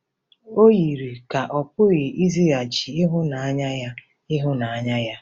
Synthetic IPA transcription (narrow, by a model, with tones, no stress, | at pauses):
o˦ɣi˨ɾi˨ka˨ʔɔ˨pʊ˦ɣe˨ʔi˦zi˦a˨t͡ʃi˨ɪ˦ɦʊ˦na˨a˦ɲa˦ja˦ | ɪ˦ɦʊ˦na˨a˦ɲa˦ja˦